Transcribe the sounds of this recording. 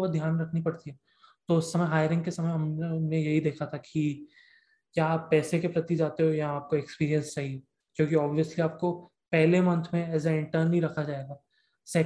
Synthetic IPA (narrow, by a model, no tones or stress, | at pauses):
ɐd̪ʱjaːnɾɐkʰnipɐɽt̪iɦɛː | t̪oʊsːɐməjɦaːɪjɾɪ̃ŋɡ̚kesɐməjɦɐmnẽjɐɦid̪eːkʰat̪ʰakʰi | kjaːpːɛːsekepɾɐt̪id͡ʒaːt̪eɦojaaːp̚koekspiːɾijə̃nsːɐɦi | d͡ʒõːkiɔːbʋijəsliaːp̚ko | pɛɦlemɐ̃nt̪ʰmẽɛːs̬aɪ̃ɳʈəɾnːɦĩɾɐkʰad͡ʒaːeːɡaː | sɛː